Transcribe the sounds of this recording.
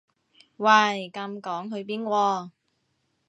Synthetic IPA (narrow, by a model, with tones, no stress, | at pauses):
wɐ˧˩jkɐ˧mkɔː˨˥ŋɦɵ˨˧ɥpiː˥nkʷwɔː˧